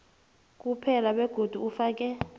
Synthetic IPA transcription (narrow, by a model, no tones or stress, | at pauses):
k̬ʼupʰɛlaɓɛɡ̥ʱod̥ʱuufaːk̬ʼɛ